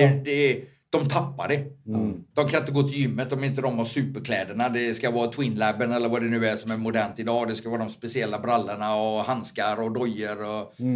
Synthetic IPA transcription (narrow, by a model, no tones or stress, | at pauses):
ɛd̪ɛ | d̪̥ɔmt̪ʰapːa̰ɖɛ | d̪̥ɔmkʰanɪnt̪əɡoːt̪ʰɪjʏmːət̪ɔmɛɪnt̪əd̪ɔmvasʉ̟ːpəɾkʰlɛːd̪əɳad̪ɛskavɑːt̪ʰwɪnlɛbːənɛlːəɾvad̪ɛnʉ̟ːæʂɔmæɾmʊd̪æɳt̪ɪd̪ɑːd̪ɛskavɑːd̪ɔmspɛsɪɛlːabɾalːəɳaɔhanskaɾɔd̪ɔjːəɾɔ